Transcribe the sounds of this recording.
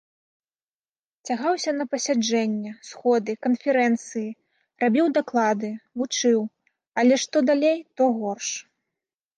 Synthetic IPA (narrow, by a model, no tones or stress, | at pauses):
t͡sʲaɣawsʲɐnɐpɐsʲad͡ʐɛnʲːɛsxɔd̪ɨkɐnfʲɛɾɛnt̪sɨji | rabʲiwd̪aklˠad̪ɨvut͡ʂɨw | ɐlʲɛʂt̪ɔd̪alʲejt̪ɔɣɔrʂ